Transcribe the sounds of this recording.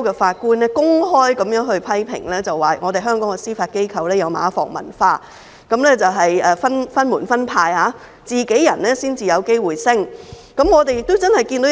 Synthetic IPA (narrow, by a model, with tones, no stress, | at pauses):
kɛː˧faː˧t̚kuː˥nɛː˥kʊ˥ŋɦɔː˥jkɐ˨˥mjœː˨˥ŋɦɵ˧ɥpʰɐ˥jpʰɪ̰˨˩ŋlɛː˥t͡sɐ˨wːaː˨˩ŋɔː˨˧t̪e˨jɦœː˥ŋkɔː˨˥ŋkɛ˧siː˥faː˧t̚ke˥jkʰɐ˨˧wlɛː˥jɐ˨˧wma̰ː˨˥fɔ̰ː˨˩ŋmɐ̰˨˩nfaː˧ | kɐ˨˥mlɛː˥t͡sɐ˨wɦɐ˨jɛː˨fɐ˥nfɐ˥nmuː˨˩nfɐ˥npʰaː˧jhaː˨˥ | t͡siː˨ke˨˥jjɐ˨˩nlɛː˥siː˥nt͡siː˨jɐ˨˧wke˥jwuː˨jsɪ˥ŋ | kɐ˨˥mŋɔː˨˧t̪e˨jɪ˨k̚t̪o˥wt͡sɐ˥nhɐ˨˩jki˧nt̪o˨˥